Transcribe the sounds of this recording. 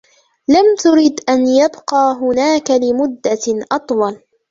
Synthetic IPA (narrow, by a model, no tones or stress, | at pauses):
lamt̪ʊɾid̪ʔanjabqɑːɦʊnaːkalɪmʊd̪ːaʔɑt̪ˤwɑl